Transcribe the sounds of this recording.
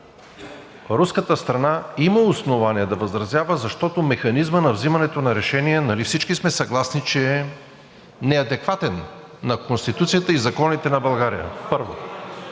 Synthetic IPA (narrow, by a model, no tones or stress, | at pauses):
ɾuskət̪əst̪ɾɐnaiməosnovaniɛd̪ɐvəzɾɐzjavəzɐʃt̪ɔt̪omɛxɐnizmənɐvzimɐnɛt̪onɐɾɛʃɛniɛnɐlifsit͡ʃkismɛsɐɡlˠasnit͡ʃɛ | nɛɐd̪ɛkvat̪ɛnː | ɐkonst̪it̪ut̪sijət̪əizɐkɔnit̪ɛnɐbɐlˠɡaɾḭjə̰pɤɾvo̰